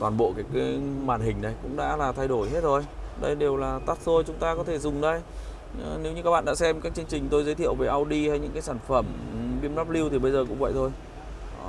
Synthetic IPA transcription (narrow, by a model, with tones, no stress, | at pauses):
t̪waː˨˩nɓo̰˧˨kaː˨˦jkaː˨˦maː˨˩nɦï˨˩ŋ̟na˨˩jkʊ̰˧˥ŋ͡mɗa̰ː˧˥laː˨˩t̪ʰa˧jɗo˧˩jɦe˦˥t̚zo˨˩jɗə̰˧jɗe˨˩wlaː˨˩t̪aː˦˥t̚so˧jt͡ɕʊ˨˦ŋ͡mt̪aː˧kɔ˨˦t̪ʰe˧˩zʊ˨˩ŋ͡mɗə˧j | ne˨˦wɲɨ˧ka˦˥k̚ɓa̰ː˧˨ɗaː˧˥sɛ˧mkaː˦˥k̚t͡ɕɨ˧əŋt͡ɕï˨˩ŋ̟t̪o˧jzə˨˦jt̪ʰḭ˧˨əwve˨˩ʔa˧wɗi˧ha˧jɲɨ̰˧˥ŋkaː˨˦jsaː˧˩nfə˧˩mɓi˧ənna˦˥p̚li˧wt̪ʰi˨˩ɓə˧jzəː˨˩kʊ̰˧˥ŋ͡mvə̰˧˨jt̪ʰo˧j